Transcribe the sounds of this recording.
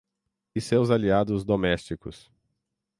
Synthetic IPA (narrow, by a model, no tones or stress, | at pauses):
ɪsewzaliad̪ʊzd̪omɛst͡ʃikʊs